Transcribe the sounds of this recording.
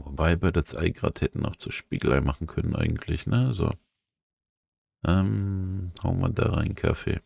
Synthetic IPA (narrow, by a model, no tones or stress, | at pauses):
vobaɪbaːdasʔa̰ɪɡʁa̰ːthɛtn̩ʔaʊxt͡suːʃpiːɡl̩ʁaɪmaχn̩kʰœnənʔa̰ɪɡŋ̩tʰlɪçnəzo̰ | ʔɛmhaʊnma̰daːʁaɪnkʰafḛː